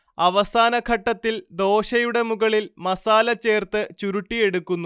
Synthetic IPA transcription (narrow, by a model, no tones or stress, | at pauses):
ɐʋɐsaːnɐkʰɐʈːɐt̪ːild̪o̞ːɕɐjuɽe̞muɣɐɭilmɐsaːlɐt͡ɕːe̞ːrt̪ɨt͡ɕuɾuʈːije̞ɽukːunːu